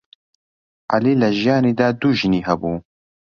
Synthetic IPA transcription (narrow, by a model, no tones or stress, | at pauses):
ʔaliːlɐʒijaːniːd̪aːd̪uːʒɨniːɦɐbuː